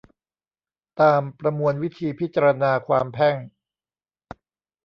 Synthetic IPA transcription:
t̪aː˧mpɾa˧mu˧ənwi˦˥t̪ʰiː˧pʰi˦˥t̪̚t͡ɕa˧ɾa˧naː˧kʰwaː˧mpʰɛ˥˩ŋ

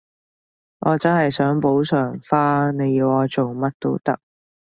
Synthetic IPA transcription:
ŋʔɔː˨˧t͡sɐ˥nɦɐ˨jsœː˨˥ŋpo˨˥wsœː˨˩ŋfaː˥ne˨˧jiː˧wɔː˨˧t͡so˨wmɐ˥t̚t̪o̰˥wt̪ɐ̰˥k̚

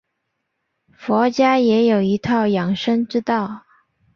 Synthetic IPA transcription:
fwɔ˧˥t͡ɕja˥jɛ˧˥jo˨˩ʊi˧˥t̪ʰɑ˥˩ʊjɑ˨˩ŋʂə˥ŋʈ͡ʂɻ̩˥t̪ɑ˥˩ʊ

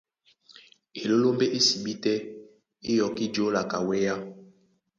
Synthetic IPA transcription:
e˨lo˦lo˦mbe˦ʔe˦si˨ɓi˦tɛ˦ | e˦jɔ˨ki˦d͡ʒo˨˦la˨ka˨wɛ˦ja˦

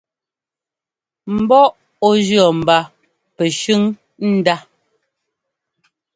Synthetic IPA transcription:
m̩˨bɔ˦ʔ | ɔ˦d͡ʒɰɔ˨m̩˨ba˦ | pɛ˨ʃʉ˦ŋ | n̩˦da˦

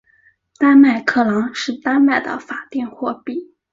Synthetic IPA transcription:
t̪a˥ma˥˩ɪkʰɤ˥˩lɑ˧˥ŋʂɻ̩˥˩t̪a˥nma˥˩ɪd̪ə̰˦fa˨˩t̪jɛ˥˧nxwɔ˥˧pi˥˩

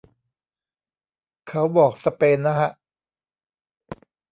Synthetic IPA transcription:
kʰa˦˥wbɔː˨˩k̚sa˧peː˧nːa˦˥kʰa˦˥ʔ

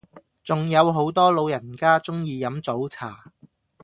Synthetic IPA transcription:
t͡sʊ˨ŋjɐ˨˧wɦo˨˥wt̪ɔː˥lo˨˧wjɐ˨˩nkaː˥t͡sʊ˥ŋjiː˨˧jɐ˨˥mt͡so˨˥wt͡sʰaː˨˩

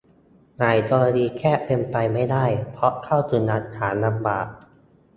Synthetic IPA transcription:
naː˨˩jt̪ɔː˧ɾa˧diː˧kʰɛː˥˩pe˧npa˧jma˥˩jdaː˥˩jpʰɾɔ˦˥kʰa˥˩wt̪ʰɯː˧na˦˥t̪̚haː˩˦na˧mba̰ː˨˩ʔ̚

